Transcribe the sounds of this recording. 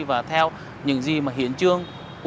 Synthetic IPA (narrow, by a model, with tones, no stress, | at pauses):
vaː˨˩t̪ʰɛ˧w | ɲɨ̰˧˥ŋzi˨˩maː˨˩ɦḭ˧˦ənt͡ɕɨ˧əŋ | k